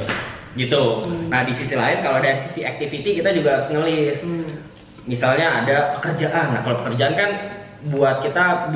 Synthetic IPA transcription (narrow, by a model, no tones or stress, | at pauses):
ɡit̪unahdisisilaɪnkaloadasisiak̚t̪ifit̪ikit̪ad͡ʒuɡaɦaɾʊsnəlɪs | misalɲaːdapə̥kərd͡ʒaʔanːahkalopəkərd͡ʒaankan | buat̪̚kit̪a